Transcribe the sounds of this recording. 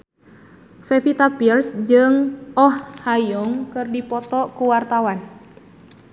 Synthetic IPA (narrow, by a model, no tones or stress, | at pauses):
fɛfit̪apirsd͡ʒɨŋɔhhajɔŋkɨrdipɔt̪ɔkuwart̪awan